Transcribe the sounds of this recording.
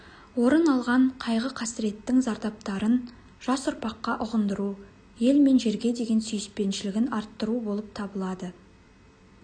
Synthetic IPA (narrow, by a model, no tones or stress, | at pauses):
wo̞ɾənɑlˠʁɑɴqʰɑjʁəqʰɑsɪɾe̞t̪ːɪŋzɑɾd̪ɑp̚t̪ɑɾən | ʒ̥ɑsʊɾpɑqːɑʔʊʁənd̪əɾu | je̞lme̞nʒe̞ɾɡʲe̞d̪e̞ɡʲe̞nsʏjɪspe̞nʃɪlɪɡʲɪnɑɾt̪ːəɾubo̞lˠəp̚t̪ʰɑbəlˠɑd̪ə